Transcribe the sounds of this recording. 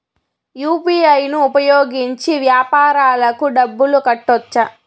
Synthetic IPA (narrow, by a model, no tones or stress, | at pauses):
juːpiːɐjnuːpɐjoːɡiɲt͡ʃiʋjaːpaːɾaːlɐkuɖɐbːulukɐʈːɔt͡ʃːɐ